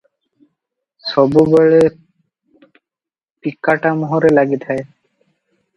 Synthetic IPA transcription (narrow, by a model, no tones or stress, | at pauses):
sɔbubɔɭe | pikːaʈamɔɦoɾelaɡit̪ʰae